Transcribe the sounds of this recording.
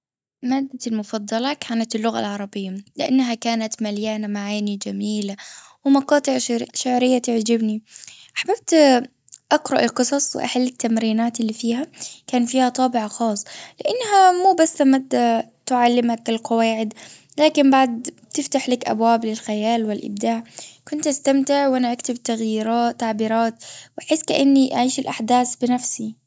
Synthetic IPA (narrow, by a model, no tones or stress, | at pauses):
maːd̪ːalmʊfɑd̪ˤːɑlɑkʰaːnat̪ɪlːʊɣa̰lʕɑɾˤɑbɪjːalɪʔanːaɦakaːnat̪maljaːnamaʕajnid͡ʒamiːlawɪmɑqɑːt̪ˤɨʕʃaʕɾɪjːat̪ɪʕd͡ʒɪbniʔaħbab̚t̪ | ʔaqɾˤɑʔɪ̰lqɨsˤɑsˤwɪ̰ʔa̰ħalːɪt̪ːamɾiːnaːt̪ɪlːifiːhakaːnfiːhat̪ˤɑːbɪʕaxɑːsˤːlɪʔanːɦamuːbasːamad̪at̪ʊʕalːɪmakɪlqɑwaːʕɪd̪ | laːkɪmbaʕd̪̚ | t̪ɪft̪aħlakʔa̰bwaːblɪlxajaːlwɪlʔɪ̰b̚d̪aːʕkʊnt̪ʔast̪amt̪ɪʕwʔanaʔakt̪ɪbt̪aɣjiːɾɑːt̪ːaʕbiːɾɑːt̪wʔaħɪsːkaʔanːiʔaʕiːʃɪlʔaħd̪aːsbɪnafsi